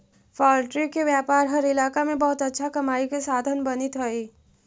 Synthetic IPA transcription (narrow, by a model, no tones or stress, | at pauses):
faːlʈɾikːeʋjaːpaːɾɦɐɾɪlaːkamẽbɐɦʊt̪ətːʃʰakɐmaːikesaːd̪ʱənbɐnɪt̪ɦəi